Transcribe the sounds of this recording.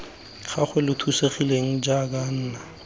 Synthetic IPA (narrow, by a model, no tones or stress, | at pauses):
χaχʰwɛlʊtʰuseχileŋ̩d͡ʒakan̩ːna